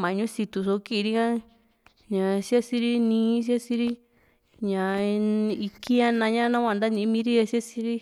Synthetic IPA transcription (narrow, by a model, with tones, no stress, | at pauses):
mã˨˧ɲũ˦si˧t̪u˧so˧˦ki˦˧ɾi˦kã˦ | ɲã˨˧si˦a˦si˧ɾi˦nĩː˧˦s̬i˦a˦si˧ɾi˦ | ɲã˨ | i˧ki˦ɲã˦nã˧ɲã˦nã˦kʷã˧nd̪a˦nĩ˧˦mĩ˧˦ɾi˦a˧si˦a˦si˧˦ɾi˦